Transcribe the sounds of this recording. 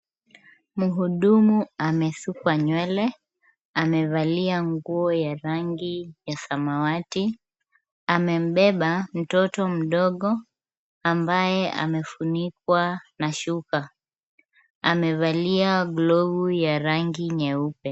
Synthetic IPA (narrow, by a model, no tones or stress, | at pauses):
muɦuɗumuamɛsukwaɲwɛlɛ | amɛvaliaŋɡuɔjaɾaŋɡijasamawati | amɛm̩ɓɛɓam̩tɔtɔm̩ɗɔɠɔ | ambajɛʔa̰mɛfunik̚wanaʃuka | a̰mɛvaliaɡlɔvujaɾaŋɡiɲɛupɛ